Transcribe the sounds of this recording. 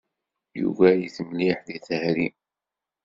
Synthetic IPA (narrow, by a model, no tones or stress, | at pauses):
jṵvæjiθəmliħðiθhɾi